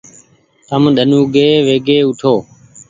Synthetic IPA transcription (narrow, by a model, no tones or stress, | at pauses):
t̪əmɗənuːɡeːʋeːɡeːʊʈʰoː